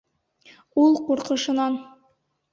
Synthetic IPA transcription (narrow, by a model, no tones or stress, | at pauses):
ulˠquɾqɤ̆ʃɤ̆nɑn